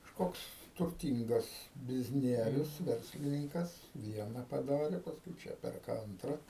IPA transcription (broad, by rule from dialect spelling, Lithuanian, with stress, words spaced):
kɐʃˈkoːks tʊrʲˈtʲiːŋɡɐs bʲɪzʲˈnʲiɛrʲʊs ˈʋʲɛrʲsʲlʲɪnʲɪŋkɐs ˈʋʲiɛnɐ pɐˈdɑːrʲɛ pɐsˈkʊɪ ˈt͡ʃʲɛ ˈpʲɛrkɐ ˈɐntrɐ